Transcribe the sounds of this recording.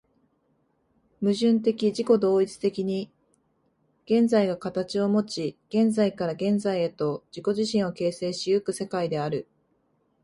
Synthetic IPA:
mɯ̟ʑɨ̃nt̪̬e̞kʲiʑiko̞d̪o̞ːit͡sɨ̥t̪e̞kʲiɲ̟i | ɡ̥ẽ̞nd͡zaiɡakat̪at͡ɕio̞mo̞t͡ɕiɡ̥ẽ̞nd͡zaikaɾaɡẽ̞nd͡zaie̞t̪o̞d͡ʑiko̞ʑiɕĩɰ̃oke̞ːse̞ːɕijokɯ̟se̞kaid̪e̞aɾɯ̟

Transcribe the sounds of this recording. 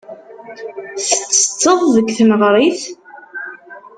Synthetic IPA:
θə̥t͡sːə̥t͡sːəðˤðəɡθnəʁɾˤiθ

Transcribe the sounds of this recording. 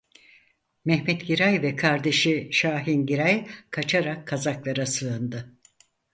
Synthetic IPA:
mɛhmɛt̪ɟiɾajvɛkʰaɾd̪e̞ʃiʃaːɦinɟiɾajkʰat͡ʃʰaɾakʰːazaklˠaɾasɯɯnd̪ɯ

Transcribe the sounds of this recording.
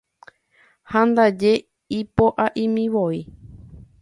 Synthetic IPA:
hãnd̪ad͡ʒe̞ | ipoʔaʔĩmĩʋoi

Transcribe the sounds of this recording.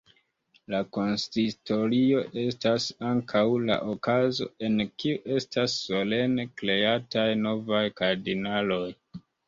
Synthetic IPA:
lako̞nstito̞ɾio̞ʔe̞stasaŋkʰawla̰ʔokazo̞̰e̞nkiuʔe̞stasːo̞le̞nekle̞atajno̞vajkaɾdinalo̞j

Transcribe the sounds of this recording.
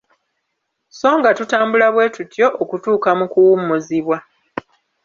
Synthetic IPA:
so̞ːŋɡatutaːmbulaβwe̞ːtutjo̞ʔokutuːkamukuwumːuziβwa

